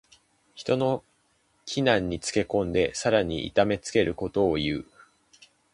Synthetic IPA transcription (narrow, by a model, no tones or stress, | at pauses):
çi̥t̪o̞no̞ | kʲʰinãɲ̟ːit͡sɨ̥ke̞kõ̞nd̪e̞saɾaɲ̟ḭḭt̪ame̞t͡sɨ̥ke̞ɾɯ̟ko̞t̪o̞ːjɯː